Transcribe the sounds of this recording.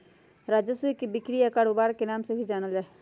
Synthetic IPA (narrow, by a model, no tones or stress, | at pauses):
ɾaːd͡ʒəswikibɪkɾijakaɽʊbaːɾkenaːmsebʱid͡ʒaːnəld͡ʒaːe